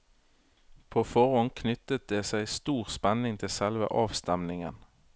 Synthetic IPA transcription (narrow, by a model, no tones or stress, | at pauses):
pʰoːfɔʁɔnkʰnʏt̪ət̪̚d̪eːsæɪst̪uːʁspɛnɪŋt̪ʰɪlsɛlʋə̰ʔɑːʋst̪ɛmnɪŋən